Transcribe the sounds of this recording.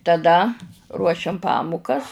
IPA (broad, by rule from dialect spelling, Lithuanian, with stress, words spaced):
tɐˈdɐ ruɔˈʃʲɛm ˈpɑːmʊkɐs